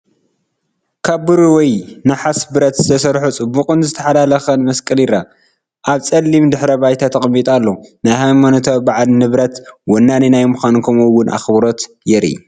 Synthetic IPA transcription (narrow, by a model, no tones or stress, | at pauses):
kʰaβːɨɾuwɔjnaħasbɨɾɐt̪zɨt̪ʰɐsɐɾħut͡sʼɨbukʼɨnzɨt̪ʰɐħalalɐxɐnmɐskʼɨliɾa | ʔaβt͡sʼɐlːimd̪ɨħɾɐbajt̪ʰat̪ʰɐxʼɐmːit̪ʼalːonajhajmanot̪ʰɐβbaʕalnɨβɾɐt̪wɔnːaninajmuxankʰɐmuwʊnʔa̰xβɾo̞t̪ | jɛɾḭ